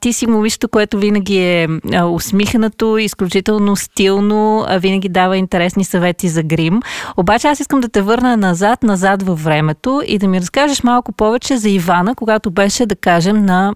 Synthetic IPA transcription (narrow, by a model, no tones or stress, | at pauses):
t̪isimomiʃt̪t̪okoɛt̪ovinɐɡʲiɛəosmixnət̪oisklʲut͡ʃit̪ɛlˠnost̪ilˠno̰vinəɡ̟ʲid̪avəint̪ɛɾɛsnisɐvɛt̪izɐɡɾimobat͡ʃɛasiskəmd̪ɐt̪ɛvɤɾnənɐzat̪nɐzat̪vɐfːɾɛmɛt̪oḭd̪ɐmiɾɐskaʒəʃmalˠkʊpɔvɛt͡ʃɛzɐivanəkoɡat̪obɛʃɛd̪ɐkaʒɛmnɐ